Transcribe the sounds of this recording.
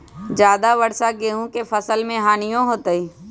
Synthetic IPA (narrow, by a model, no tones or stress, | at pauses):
d͡ʒjaːd̪aʋɐɽsaɡeːɦũkefɐsəlmẽɦaːnijõɦoːt̪əiː